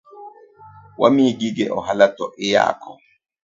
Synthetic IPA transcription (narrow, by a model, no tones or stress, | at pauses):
wa̰miɡiɡɛʔɔɦalatɔʔɪja̰ːkʰɔ